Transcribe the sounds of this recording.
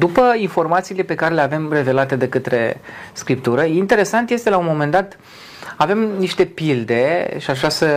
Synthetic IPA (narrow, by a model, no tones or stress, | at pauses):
d̪upəinfo̞rmat̪siːle̞pe̞kaɾe̞le̞ave̞mre̞ve̞lat̪ed̪e̞kət̪ɾe̞̰skɾipt̪uɾəint̪e̞ɾe̞sant̪je̞st̪elaunmo̞mend̪at̪ | ave̞mniʃt̪e̞pild̪e̞ʃiaʒasə